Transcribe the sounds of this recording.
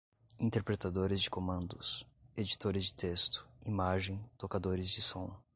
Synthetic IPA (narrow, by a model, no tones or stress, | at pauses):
ĩnt̪eɾpɾet̪ad̪oɾɪzd͡ʒɪkomɐ̃nd̪ʊsed͡ʒit̪oɾɪzd͡ʒɪt̪ʰest̪ʊ̥imaʒẽj̃t̪okad̪oɾɪzd͡ʒɪsõ